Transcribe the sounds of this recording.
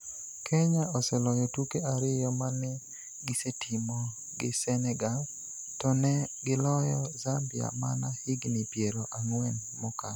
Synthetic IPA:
kʰɛɲaʔɔsɛlɔjɔtukeaɾɪjɔmanɛ | ɡɪsetʰimɔ | ɡɪsɛnɛɡal | tɔnɛɡɪlɔjɔzambɪa̰manahɪɡnipjeɾoʔaŋwɛn | mɔka

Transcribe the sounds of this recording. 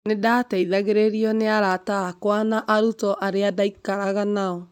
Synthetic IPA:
nedataiðaɣeɾeɾiɔneaɾataakwanaʔaɾutɔʔaɾeadaikaɾaɣanaɔ

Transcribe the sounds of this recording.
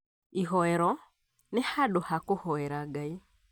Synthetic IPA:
iɦɔɛɾɔ | nɛhaɗʊhakʊhɔɛɾaɡai

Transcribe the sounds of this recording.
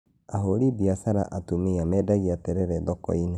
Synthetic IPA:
aɦoɾidiasaɾa̰ʔatumeamɛːdaɣiatɛɾɛɾɛðɔkɔ̰ine

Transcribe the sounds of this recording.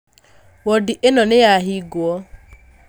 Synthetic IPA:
wɔdɪʔenɔnejaɦiɡʊɔ

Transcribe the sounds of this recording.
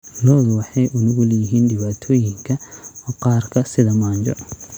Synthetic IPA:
lɔːðwɑħɑjʔʊnʊɣʊlɛjɪɦiːnɖɪβaːt̪ʰɔːjɪŋkʰɐɔːqɑːrkʰɐsɪðɐmaːɲt͡ʃɔ̰

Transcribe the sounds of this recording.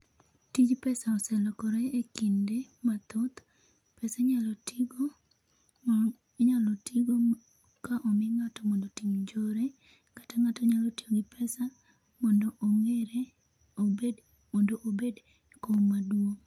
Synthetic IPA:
tid͡ʒpɛsaɔsɛlɔkɔɾɔekindemat̪ot̪ | pɛsaɲalɔtʰiɡo | ɲalɔtiɡo | kaʔɔmɪŋatɔmɔndotimd͡ʒoɾe | kḁtaŋatɔɲalɔtiɡoɡɪpʰɛsa | mɔndoʔoŋeɾe | obed | mɔndoʔobed | komadwoŋ

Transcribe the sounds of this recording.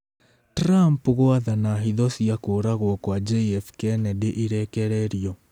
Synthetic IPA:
tɾampɣoaðanaɦiðɔsiakoɾaɣwɔkwad͡ʒɛɛfkɛnɛdeʔiɾɛkɛɾɛɾiɔ

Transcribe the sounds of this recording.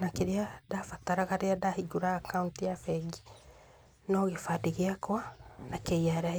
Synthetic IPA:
nakeɾeadafataɾaɣaɾeadahiɡuɾaːkauntijafɛɡi | nɔɣefadiɣeakwanakeiaɾea

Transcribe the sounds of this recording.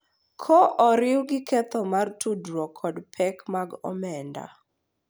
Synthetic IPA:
kʰɔʔɔɾɪwɡɪkʰɛt̪ɔmartʰudɾɔkʰɔdpʰɛkmaɡɔ̰mɛnda̰

